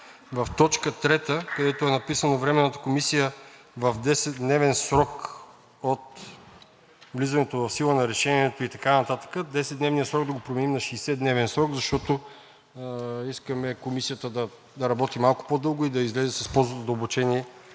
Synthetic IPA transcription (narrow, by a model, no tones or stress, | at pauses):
vɐft̪ɔt͡ʃkət̪ɾɛt̪əkɐd̪ɛt̪oɛnɐpisənovɾɛmɛnːət̪ə̥komisijə | vɐfd̪ɛsɛt̪̚d̪nɛvɛnsɾɔk | ot̪ | vlizɐnɛt̪ovɐfsilˠənɐɾɛʃɛniɛt̪oit̪ɐkanɐt̪at̪ə̥kəd̪ɛsɛt̪nɛvnijəsɾɔɡd̪ɐɡopɾomɛnimnɐʃɛsɛd̪nɛvɛnsɾɔɡzɐʃt̪ɔt̪o | iskəmɛkomisijət̪əd̪ɐ | d̪ɐɾɐbɔt̪imalˠko̥pod̪ɤlˠɡʊid̪ɐizlɛzɛsɐspɔlˠzvət̪od̪ɐobut͡ʃɛniɛ